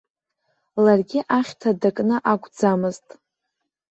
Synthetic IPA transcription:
larɡʲɪʔaχʲtʰadakʼnɨʔakʷʰʼd͡zamɨztʼ

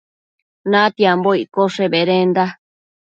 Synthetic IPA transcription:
nãt̪iamboikoʂebeɾend̪a

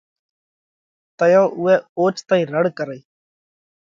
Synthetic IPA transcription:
t̪əjoːʔʊɛːoːt͡ʃt̪aːĩːɾəɽkəɾəiː

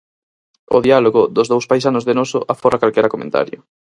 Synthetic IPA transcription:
ʊ̰ðialoɣʊðʊzðowspajs̬anoʊzðenosʊʔafɔɾakalkɛɾɐkomḛ̃nt̪a̰ɾjʊ

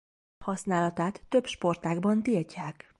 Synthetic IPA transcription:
hɒsnaːlɒt̪aːt̪ːø̞bʃpo̞rt̪aːɡbɒnt̪ircaːk

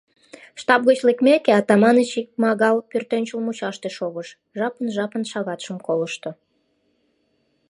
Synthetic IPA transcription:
ʃt̪ɑp̚ɣət͡ɕlekmækeɑt̪ɑmɑnət͡ɕik̚mɑɣɑlpørt̪enʲt͡ɕəlmut͡ɕɑʃt̪eʃoɣəʃ | ʒɑpənʒɑpənʃɑɣɑt̪ʃəmkoləʃt̪o

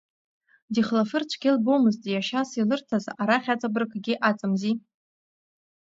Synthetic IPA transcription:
diχlafɨrt͡ʃʷʰɡʲɪlbowmɨztʼijaʃasilɨrtʰazaɾaχʲat͡sʼabrkʰʼɡʲiʔat͡sʼɨmzi

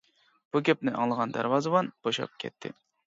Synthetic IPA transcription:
b̥ukʲep̚nɪʔɑ̰ŋlˠəʁɑnd̪æ̰ɾvɑzɨwɑnb̥oʃɑ̰p̚kʲʰɛ̰t̪ʰːɪ̰

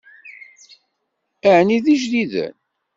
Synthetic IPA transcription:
æʕniðiʒðiðə̰n

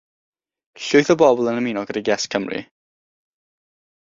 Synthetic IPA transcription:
ɬʊjθɔbɔbɔlˠənəminɔɡədiɡɛskʰəmrḭ

